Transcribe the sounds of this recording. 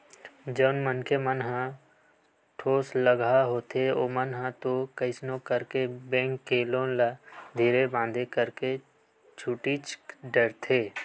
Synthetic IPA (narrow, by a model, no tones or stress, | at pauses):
d͡ʒəːnmənkʰemənɦã | ʈʰoːsləɡʱaɦoːt̪eo̰ːmənɦãt̪okəɪsnõkəɾkebẽːŋkːeːlõlad̪ʱiːɾebãːnd̪ʱekəɾke | t͡ʃʰʊʈit͡ʃɖəɾt̪ʰeː